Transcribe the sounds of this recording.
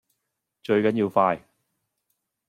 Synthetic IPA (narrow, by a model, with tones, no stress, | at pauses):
t͡ʃɵ˧ɥkɐ˨˥njiː˧wfaː˧j